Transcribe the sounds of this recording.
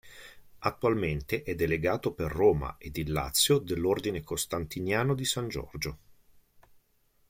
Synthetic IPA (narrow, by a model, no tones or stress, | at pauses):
at̪ːwalment̪eʔɛd̪ːeleɡaːt̪operːoːma̰ed̪ilːa̰t̪sːjod̪elːord̪inekost̪ant̪injaːnod̪isand͡ʒɔ̰rd͡ʒo